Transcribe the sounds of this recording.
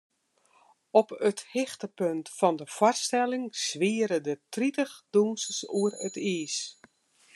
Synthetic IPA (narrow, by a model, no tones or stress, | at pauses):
ɔpəthɪxtəpøntfɔndəfɔrstɛlɪŋsʋiəɾədətritəxdunsəsuərətiːs